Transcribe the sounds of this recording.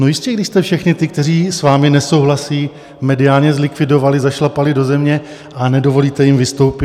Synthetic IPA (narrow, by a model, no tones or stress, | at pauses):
nojɪscɛɡdɪʃst̪ɛfʃɛxɲɪt̪ɪk̚t̪ɛr̝iːsvaːmɪnɛso̞wɦlasiː | mɛdɪaːlɲɛzlɪkvɪdo̞valɪzaʃlapalɪdo̞zɛmɲɛ | anɛdo̞vo̞liːt̪ɛjɪmvɪst̪o̞wpɪ